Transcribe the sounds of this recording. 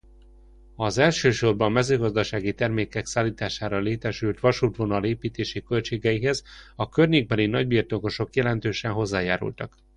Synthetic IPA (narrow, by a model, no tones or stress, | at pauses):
ɒzɛlʃøːʃo̞rbɒmmːɛzøːɡɒzd̪ɒʃaːɡit̪ɛrmeːkɛksaːlːiːt̪aːʃaːɾɒleːt̪ɛʃylt̪ʋɒʃuːt̪ʋo̞nɒleːpiːt̪eːʃikø̞lt͡ʃeːɡɛiɦɛzɒkørɲeːɡ̚bɛlinɒɟbiːrt̪oko̞ʃo̞kjɛlɛn̪t̪øːʃɛnɦo̞zːaːjaːɾṵlt̪ɒk